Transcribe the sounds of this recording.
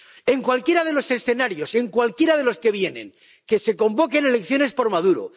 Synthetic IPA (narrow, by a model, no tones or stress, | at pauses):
e̞ŋkwalkje̞ɾað̞e̞lo̞se̞sθe̞naɾjo̞se̞ŋkwalkje̞ɾað̞e̞lo̞ske̞β̞je̞ne̞̰ŋ | ke̞se̞ko̞mbo̞kene̞le̞kθjo̞ne̞spo̞ɾmaðuɾo̰